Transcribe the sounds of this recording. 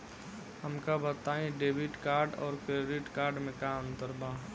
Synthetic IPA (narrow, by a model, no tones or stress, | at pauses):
ɦɐmkabət̪aːĩɖeːbɪʈkaːɾɖɔːɾpeːɾɪʈkaːɾɖmẽkaə̃nt̪əɾbʱaː